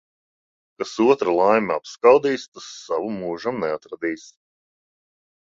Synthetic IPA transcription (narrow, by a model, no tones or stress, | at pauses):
kasuɔt̪ɾalˠajmʲɛapskawd̪iːst̪asːavumːuːʒamnɛat̪ɾad̪iːs